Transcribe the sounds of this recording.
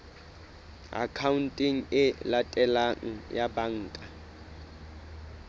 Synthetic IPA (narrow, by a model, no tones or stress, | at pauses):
a̰kʰaun̩tʼɪŋ̩ɪlatʼɛlaŋ̩jabaŋ̩ːkʼa